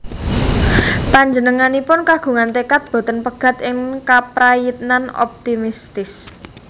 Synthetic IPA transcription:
paɲd͡ʒənəŋanipʊnkaɡ̥ṳŋant̪ekat̪̚b̥o̤t̪ənpəɡ̥a̤t̪ɪŋkapɾajit̪̚nanɔ̰p̚t̪imist̪ɪs

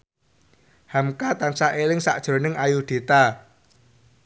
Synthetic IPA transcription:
hamkat̪ansaʔelɪŋsa̰ʔd̥ʒ̥ɾo̤nɪŋajud̪̥i̤t̪a

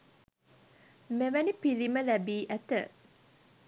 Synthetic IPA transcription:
meʋænipiliməlæbiːʔæt̪ə

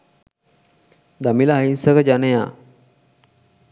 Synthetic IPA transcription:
d̪amiləaɦinsəkəd͡ʒaneja̰ː

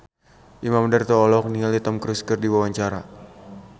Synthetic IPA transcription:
ʔimamdərt̪ɔːlɔk̚niŋalit̪ɔmkɾuskɨrdiwawaɲt͡ʃaɾa̰

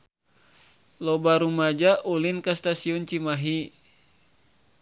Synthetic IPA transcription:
lɔbaɾumad͡ʒaʔulinkast̪asiɔnt͡ʃimaɦi

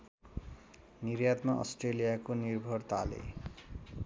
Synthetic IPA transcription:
nirjat̪maʔʌ̰sʈrelijakonirbʱʌrt̪alḛ

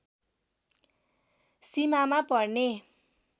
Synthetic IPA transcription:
simamapʌrne

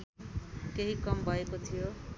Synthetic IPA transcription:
keɦikʌmbʱʌekot̪ʰijo

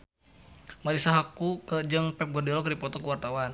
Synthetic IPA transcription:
maɾisaɦakukəd͡ʒɨŋpɛp̚ɡɔrdilɔkdipɔt̪ɔkəwart̪awan

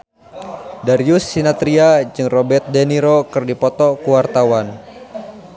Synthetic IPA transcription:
daɾiusːinat̪ɾiad͡ʒɨŋrɔbɛrt̪̚dɛniɾokɨrdipɔt̪ɔkuwart̪awan

